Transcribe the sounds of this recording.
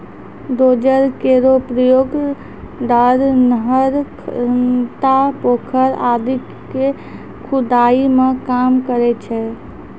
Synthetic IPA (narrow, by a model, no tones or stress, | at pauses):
d̪od͡ʒəɾkeɾopɾəjoɡ | d̪aɾnəɦəɾʰt̪apokʰəɾad̪ikː | e | kʰud̪aimekamkəɾɛt͡ʃʰɛ